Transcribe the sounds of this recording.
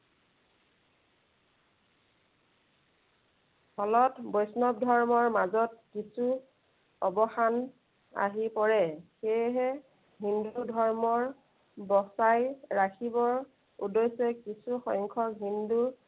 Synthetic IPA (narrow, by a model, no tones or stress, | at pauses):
hɔlɔtbɔjsnɔb̚dʱɔɹmɔɹmazɔt̚kisu | ɔbɔxan | a̰ɦipɔɹɛxejɦɛ | ɦindudʱɔɹmɔɹ | bɔsajɹakʰibɔɹ | ṵdɔjsɛkisʰuxɔjŋkʰɔɦindu